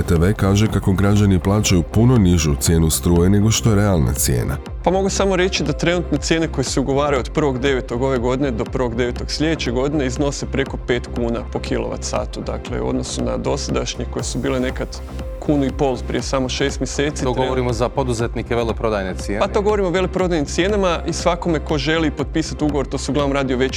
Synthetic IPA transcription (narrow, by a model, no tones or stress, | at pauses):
t̪eʋekaːʒe̞kako̞ɡɾad͡ʑaniplˠaːt͡ɕajupuno̞niʒut̪sje̞ːnust̪ɾuːjene̞ɡo̞ʃt̪o̞jeɾe̞alˠna̰t̪sje̞̰ːna̰ | pamo̞ɡusamo̞ɾe̞t͡ʃid̪at̪ɾe̞nut̪ne̞t̪je̞ːne̞ko̞jeseuɡo̞ʋaːɾajud̪pr̩ʋo̞ɡd̪e̞ʋet̪o̞ɡo̞ʋe̞ɡo̞d̪ine̞d̪o̞pr̩ʋo̞ɡd̪e̞ʋet̪o̞ɡsʎe̞d̪et͡ɕeɡo̞d̪ineizno̞se̞pɾe̞ko̞pe̞ːt̪kuːnapo̞kʰilo̰ʋa̰t̪sa̰ːt̪ud̪a̰klḛo̰d̪no̞suna̰d̪o̞sad̪aʃɲeko̞jesubiːle̞ne̞kad̪ | kʰuːnuipo̞lˠpɾḭje̞samoʃe̞ːst̪mjese̞ːt̪sit̪oɡ̪oʋoɾimozapo̞d̪uzet̪nikeʋelepɾod̪ajnet̪sjepat̪o̞ɡo̞ʋo̞ɾimoʋe̞lepɾo̞d̪ajnimt̪sje̞ːnamaʔisʋako̞me̞ko̞ʒe̞lipo̞t̪̚piːsat̪uɡoʋoɾt̪o̞ːsuɡlˠaʋnomɾaːd̪ioʋe̞t͡ʃ